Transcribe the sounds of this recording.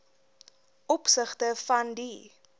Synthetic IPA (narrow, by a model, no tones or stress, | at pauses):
ʔɔpsəχtəfɐndi